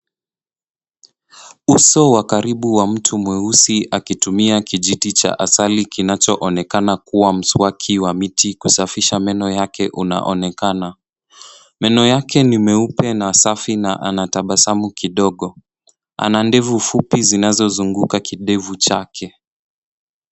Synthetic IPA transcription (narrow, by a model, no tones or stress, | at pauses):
usɔwakaɾiɓuwam̩tʰumwɛusiʔakitumiakiʄiɗit͡ʃa̰ʔasalikinat͡ʃɔʔɔnɛkanakuwam̩swakʰiwamitikusafiʃamɛnɔjakɛʔuna̰ʔɔ̰nɛkana | mɛnɔjakɛnimɛupɛnasafinaʔa̰nataɓasamukiɗɔɠɔ | a̰nandɛvufupizinazɔzuŋɡukakiɗɛvut͡ʃakʰɛ